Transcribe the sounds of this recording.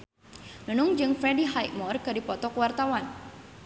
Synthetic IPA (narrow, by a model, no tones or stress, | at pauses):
nunʊŋd͡ʒɨŋfɾɛdiɦajmɔrkɨdipɔt̪ɔkwart̪awan